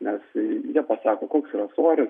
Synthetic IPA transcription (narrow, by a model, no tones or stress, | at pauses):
nʲɛsjiɛpɐsɑːkoːkoːksiːɾɐsoːɾʲɪs